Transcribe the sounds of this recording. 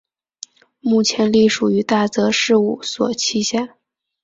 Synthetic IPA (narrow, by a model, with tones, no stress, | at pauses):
mu˥˩t͡ɕʰjɛ˧˥nli˥˩ʂu˨˩y˧˥t̪a˥˩t͡sɤ˧˥ʂɻ̩˥˧u˥˩swɔ̰˨˩t͡ɕʰi˥ɕja˥˩